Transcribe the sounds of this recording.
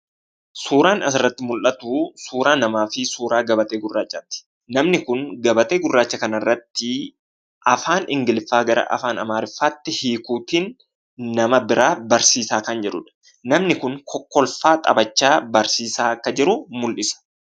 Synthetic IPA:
suːɾaːnɐsɪrːɐt̪ːɪmʊlʔɐt̪uːsuːɾaːnɐmaːfɪsuːɾaːɡɐbɐt̪eːɡʊrːaːt͡ʃʼːɐːt̪ːɪ̥ | nɐmnɪkʊŋɡɐbɐt̪e̞ːɡʊrːaːt͡ʃːɐkɐnɐrːɐt̪ːɪ | ʔɐfaːnʔɪŋɡɪlfːaːɡɐɾɐ̰ʔɐ̰faːnɐ̰maːɾɪfːaːt̪ːɪhiːkuːt̪iːnː | ɐmɐbɪɾaːbɐɾsiːsaːkɐnd͡ʒɛᶑʊᶑɐ̥ | nɐmnɪkʊŋkʰɔkːɔlfaːt̪ʼɐ̰bɐt͡ʃːaːbɐɾsiːsaːɐkːɐd͡ʒɪɾʊmʊlʔɪsɐ̥

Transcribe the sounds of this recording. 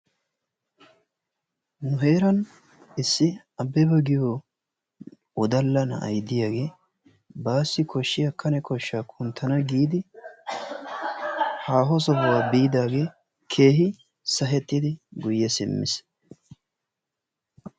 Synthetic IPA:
nʊɦe̞ːɾɐn | ɪsːɪ | ɐbɛbɐɡɪjo | ɔd̪ɐlːɐnɐ̰ʔɐ̰jd̪ɪjaːɡe̞ː | baːsːɪkɔʃːɪjɐkʰːɐnɛkɔʃːaːkʰʊnt̪ʰːɐnɐɡiːd̪ɪ | haːɦɔs̬ɔbɔwaːbiːd̪aːɡe̞ː | kʰe̞ːɦɪ | sɐɦɛt̪ːɪd̪ɪɡʊjːɛsɪmːɪ̰s

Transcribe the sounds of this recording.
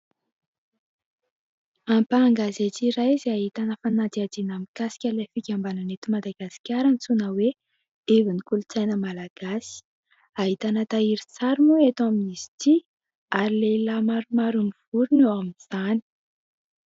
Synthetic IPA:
ampaŋɡazet͡siɾajzaɦit̪anəfanat̪iad̪inamikasi̥kʲəlefikʲambananet̪umad̪aɡasi̥kʲaɾənt͡sunəwe | evinikulut͡sajnəmalaɡ̥asi̥ | aɦit̪anət̪aiɾit͡saɾimuet̪aminiz̥i̥t̪i | aɾilelamaɾumaɾuniv̥uɾunowaminiz̥ani̥

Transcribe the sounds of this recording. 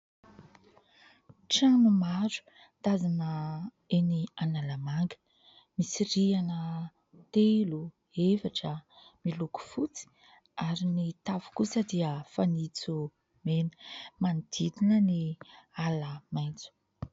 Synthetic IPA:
ʈ͡ʂanumaɾu̥ | t̪azinə | enianalamaŋɡə̥ | misiɾianə | t̪elu | efaʈ͡ʂəmiluku̥fut͡si̥ | aɾinit̪avu̥kusəd̪iəfanit͡su | menə̥manid̪̥id̪inənialəmajnt͡su̥

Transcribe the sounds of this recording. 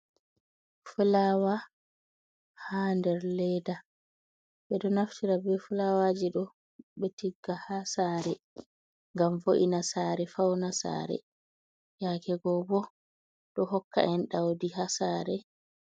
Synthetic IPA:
fulawa | handɛɾlɛda | ɓɛɗɔnaftʰiɾabɛfulawad͡ʒiɗɔ | ɓɛtiɡːahasaːɾɛ | ŋɡamfoʔinasaːɾɛfawnasa̰ɾɛ̰ | jakɛɡɔbɔ | ɗɔɦɔkːa̰ʔɛnɗawdiɦasaːɾɛ

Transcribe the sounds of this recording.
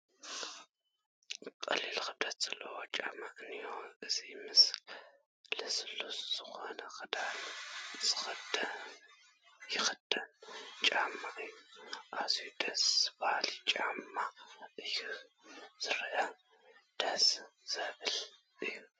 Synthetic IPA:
kʼɐ̰lilxɨd̪ɐt̪ʼt͡sʼɨlːɐwot͡ʃʼamaʔnijoɨzimɨsl | lɨslusz̥ɨxo̞nɐxɨd̪alz̥ɨxd | jɪxɨd̪̥ɐnt͡ʃʼamːaʔɨjːuʔazujud̪ɐsbahlit͡ʃʼamːaʔɨju | z̥ɨɾɐʔa | d̪̥ɐsz̥ɐβɨl | ʔɨjːu

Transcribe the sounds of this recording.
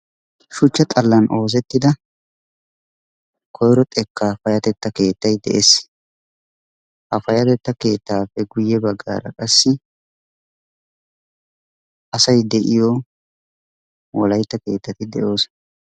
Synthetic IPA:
ʃʊt͡ʃːɐt̪ʼɐlːɐnʔo̞ːzɛt̪ːɪd̪ɐ | kʰɔjɾɔt̪ʼɛkːaːfɐjɐt̪ɛt̪ːɐke̞ːt̪ːɐjd̪ɛ̰ʔes | hɐfɐjɐt̪ɛt̪ːɐke̞ːt̪ːaːfɛɡʊjːɛbɐɡːa̰ːɾɐ̰kʼɐsːɪ | ʔɐsɐjd̪ɛʔɪjɔ | wɔlɐjt̪ːɐke̞ːt̪ːɐt̪ɪd̪ɛʔo̞ːs

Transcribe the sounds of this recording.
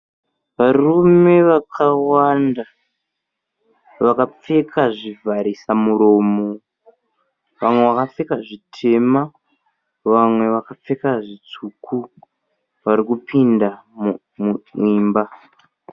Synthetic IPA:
ʋarume̞ʋakʰawanda | ʋakap͡fe̞kʰaʐivʱaɾisamuɾo̞ːmo | ʋamwe̞ʋakap͡fe̞kaʐitʰe̞ma | ʋamwe̞ʋakap͡fe̞kaʐit͡sukʰu | ʋaɾikupʰinda | muiːmba

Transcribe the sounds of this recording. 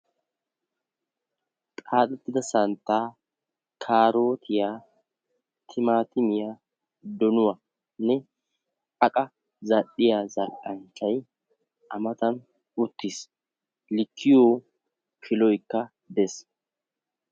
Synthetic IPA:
t̪ʼaːt̪ʼɛt̪ːɪd̪ɐsɐnt̪ːaː | kʰaːɾo̞ːt̪ʰɪjaː | t̪ʰɪmaːt̪ɪmɪja | d̪ɔnʊwɐ | nɛ | ɐkʼɐ | zɐɗɪjaːzɐlʔʼɐnt͡ʃːɐj | ʔɐmɐt̪ɐn | ʊt̪ːɪs | lɪkʰːɪjoː | kʰɪlɔjkːɐ | d̪ɛs

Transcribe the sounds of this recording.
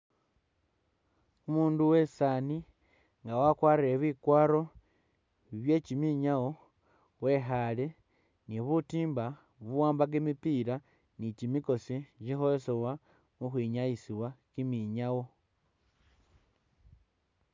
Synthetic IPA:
umuːnduwe̞saːni | ŋɡawakwaːrieβikwaːɾo̞ | βje̞ːcimiɲawo̞ | we̞xaːle̞ | niβutiːmba | βuwaːmbaɡemipiːɾa | nicimiko̞sicixoesewa | muxwiɲajisiwakimiɲawo̞

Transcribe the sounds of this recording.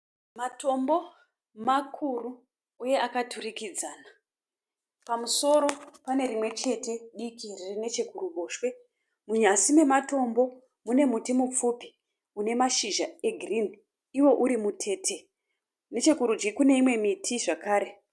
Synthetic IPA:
mato̞mbo̞ | makʰuru | uje̞akatʰurikid͡zaːna | pamuso̞ɾo̞pane̞ɾimwe̞t͡ʃe̞te̞ɗikiririne̞t͡ʃe̞kuruɓoːʃwe̞ | muɲasime̞mato̞mbo̞ | mune̞mutimup͡fupi̥ | une̞maʃiʒae̞ɡʱrini | iwo̞ʔuɾimutʰe̞ːtʰe̞ | ne̞t͡ʃe̞kuɾud͡ʒikune̞imwe̞mitʰiʐakaːɾe̞

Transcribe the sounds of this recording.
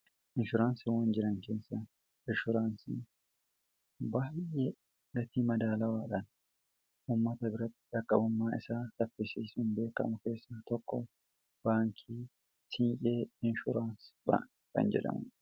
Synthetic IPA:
ʔɪnʃʊɾaːnsɪwɐnd͡ʒɪɾɐŋkeːsːɐ | ʔɪʃʊɾaːnsḭ | baːjeː | ɡɐt̪iːmɐd̪aːlɐwaːᶑan | ʔuːmːɐt̪ɐbɪɾɐt̪ːɪ̥ᶑɐkʼːɐbʊmːaːɪsaːt̪ɐpːɪsiːsʊnbe̞ːkɐ̰mʊke̞ːsːɐt̪ɔkːɔ̰ | b̥aːŋkʰiː | sɪnjʼeːɪnʃʊɾaːnsba̰ː | kɐ̰nd͡ʒɛ̰ᶑɐ̰mʊ̰

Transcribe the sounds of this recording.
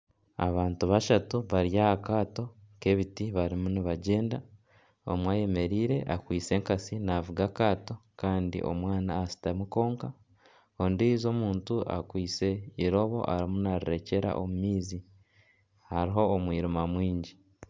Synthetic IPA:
a̰βaːntuβaʃatuβaɾjahakaːto̞ke̞βitiβaɾimuniβaɟe̞ːnda | o̰mwaje̞me̞ɾiːɾe̞ʔakwiːt͡se̞ŋkasinavuɡakaːto̞kaːndḭʔo̞̰mwaːnaːsi̥tamuko̞ːŋka | ondiizo̞muːntua̰kwiːt͡se̞iɾo̞βo̞̰ʔa̰ɾimunaɾiɾe̞ce̞ɾa̰ʔo̰mumiːzi | haɾiɦo̞ːmwiːɾimamwiːɲɟi

